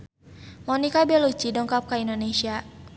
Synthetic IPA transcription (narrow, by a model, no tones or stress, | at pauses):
mɔnikabɛlut͡ʃidɔŋkap̚kaindonesia